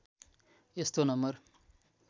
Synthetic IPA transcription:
est̪onʌmbʌr

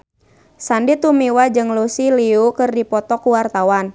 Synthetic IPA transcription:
sandit̪umiwad͡ʒɨŋlusiliukɨrdipɔt̪ɔkuwart̪awan

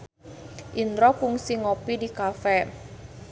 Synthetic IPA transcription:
ʔint̪ɾɔkuŋsiŋopidikafɛ

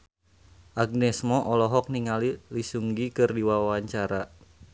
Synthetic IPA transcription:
ʔaɡ̚nɛsmɔʔɔlɔɦɔk̚niŋalilisuŋɡikɨrdiwawawaɲt͡ʃaɾa

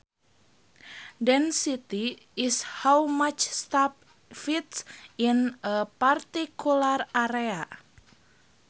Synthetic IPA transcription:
dɛnsit̪i | ɪshawmat͡ʃst̪ap̚ | fit̪sinəpart̪ikʰularaɾea

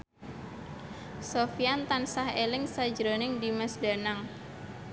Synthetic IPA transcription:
sofiant̪ansahelɪŋsḁd͡ʒɾonɪŋdimɛsda̤naŋ

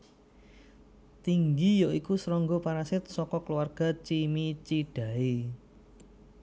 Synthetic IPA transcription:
t̪iŋɡijoikusɾɔŋɡɔpaɾasɪt̪̚sɔkɔkluwarɡ̥a̤t͡ʃimit͡ʃiɖ̥a̤e

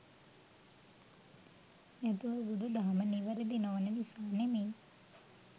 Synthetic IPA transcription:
jat̪uʋubud̪ud̪aɦaməniʋəɾid̪inoʋənəlisaːnemeː

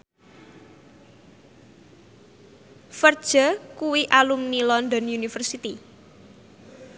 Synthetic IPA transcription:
fərd̥ʒ̥akuwiʔalumnilɔnd̪ɔnjunifərsit̪i

